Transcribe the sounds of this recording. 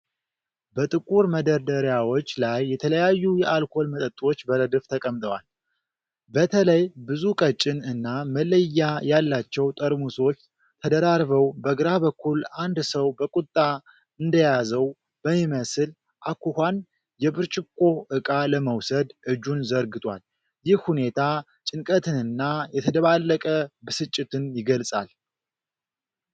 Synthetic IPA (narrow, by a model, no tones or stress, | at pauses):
bət̪ʼɨkʼuɾməd̪əɾd̪əɾjawo̞t͡ʃːlajːɛt̪ʰələjajːujɛʔalkʰo̞lmət̪ʼət̪ʼːwo̞t͡ʃːbəɾəd̪ɨft̪ʰəkʼəmt̪ʼəwal | bət̪ʰələjbɨzukʼət͡ʃʼɪnɨnːamələjːajalːat͡ʃːɛwt̪ʼəɾmusot͡ʃː | t̪ʰəd̪əɾaɾβəwbəɡɨɾaβəkʰːuland̪səwbəkʼut̪ʼːa | ɨnd̪əjazəw | b̥əmːiməsɨl | ʔakʰːuhʷan | jɛbɨɾt͡ʃʼɪkʼːo̞ʔɨkʼaləməwsəd̪ʔɨd͡ʒːunzəɾɡɨt̪ʼwa̰l | jɪhhune̞t̪ʰa | t͡ʃʼɪnkʼət̪ʰɨnɨnːajɛt̪ʰəd̪əβalːəkʼəbɨsɨt͡ʃʼːɪt̪ɨnjɪɡəlsʼa̰l